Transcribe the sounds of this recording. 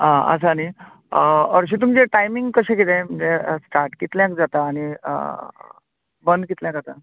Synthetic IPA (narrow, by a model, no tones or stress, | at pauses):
ɦãə̰sani | ɔɾɕ̬it̪̬umd͡ʑeʈajmiŋɡkəɕẽkit̪em̤əɳd͡zeəsʈaɾʈkit̪ljãkd͡zat̪aːɽ̃iə | bənd̪kit̪ljãkat̪a